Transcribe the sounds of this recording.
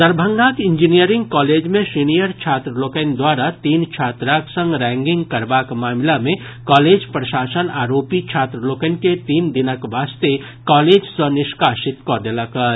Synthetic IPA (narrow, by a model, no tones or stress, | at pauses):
d̪əɾbʱə̃ŋɡãkɪ̃ɲd͡ʒinijəɾɪ̃ŋɡkaːleːd͡ʒmẽsinijəɾt͡ʃʰaːt̪ɾəloːkənd̪waːɾat̪iːnt͡ʃʰaːt̪ɾaksə̃ŋɡɾɛ̃ːŋɡɪ̃ŋɡkɐɾbaːkmaːmlamẽ | kaːleːd͡ʒpɾəʃaːsənaːɾoːpit͡ʃʰaːt̪ɾəloːkənket̪iːnd̪ɪnəkʋaːst̪e | kaːleːd͡ʒsɔnɪʃkaːʃɪt̪kɔd̪elakəɾ